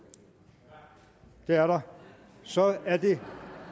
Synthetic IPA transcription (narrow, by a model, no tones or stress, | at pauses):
d̥e̝æɐɾɑ | sɒæɐd̥e